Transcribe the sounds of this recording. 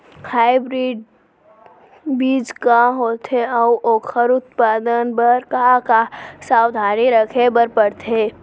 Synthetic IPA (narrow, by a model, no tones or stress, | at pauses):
haːɪbɾiːɖ | biːd͡ʒkaɦoːt̪ʰeɔʔoːkʰəɾʊt̪̚paːd̪ənbəɾkakasaːwd̪ʱaːniɾəkʰebəɾpəɽt̪ʰeː